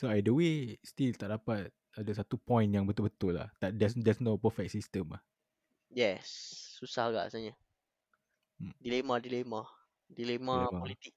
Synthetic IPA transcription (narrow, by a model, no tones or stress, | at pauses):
soajdəwest̪ilt̪aʔ̚dapat̪̚ | adəsat̪upɔ̃j̃njaŋbət̪ʊlbət̪ʊlːa̰ht̪adɛsdɛsnopəfɛk̚sist̪ə̃mah | jɛsːusahɡa̰ʔsaɲə | dilemadilema | dilemamaɔlit̪ik̚